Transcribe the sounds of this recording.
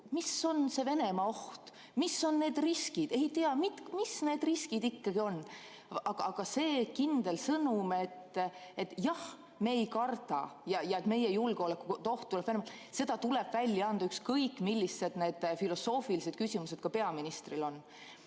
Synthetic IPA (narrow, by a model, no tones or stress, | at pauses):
miso̞nse̞ve̞ne̞mɑo̞ht̪ | miso̞nːe̞ːd̪̥riskid̪e̞jt̪eɑmit̪misne̞ːd̪riskid̪̥ikːɑɡ̥io̞nː | ɑɡ̥ɑɑɡ̥ɑse̞ːkind̪̥e̞lsɤnumet̪ːet̪ːˑjɑh | me̞ːjkɑrt̪ɑ̰jɑjɑet̪me̞jejulɡ̥eolekːuot̪o̞ht̪ːulɛb̥veemɑ | se̞d̪̥ɑt̪uleb̥vælʲːjɑɑnd̪ɑykskɤjkːˑmilʲːisːe̞d̪̥ne̞ːd̪̥filo̞so̞ːfilise̞d̪̥̚kysimuse̞d̪̥̚kɑpe̞ɑminist̪rilo̞n